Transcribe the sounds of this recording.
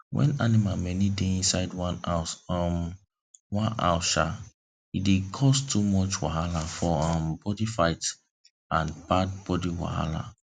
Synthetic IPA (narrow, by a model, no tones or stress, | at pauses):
wɛ̰̃nanimamɛnideĩnsaɪdwãnasɔm | wãnʔa̰ʊʃa | idekʰɔstʰumɔt͡ʃwahalafɔɔ̃mbɔdifaɪt | ãnbad̚bɔdiwa̰ha̰la̰